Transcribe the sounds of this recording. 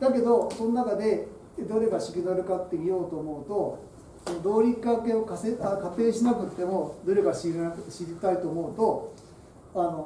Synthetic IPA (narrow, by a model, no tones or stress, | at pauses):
d̪ake̞d̪o̞so̞nːakad̪e̞ | d̪oɾe̞ɡaɕi̥kʲid̪aɾɯ̟kat̪ːemʲijo̞ːt̪o̞ːmo̞ɯ̟t̪o̞ | sonod̪o̞ːɾʲikːake̞okaseakat̪e̞ːɕinakɯ̟t̪ːe̞mo̞d̪o̞ɾe̞ɡaɕiɕiɾʲit̪ait̪o̞ːmo̞ɯ̟t̪o̞ | ano̞